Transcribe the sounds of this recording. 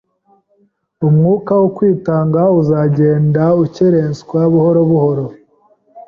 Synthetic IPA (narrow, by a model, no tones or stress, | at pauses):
umŋuːkawokwiːtaːŋɡauzaɟe̞ːndauceɾenskwaβuhoɾo̞βuho̞ɾo̞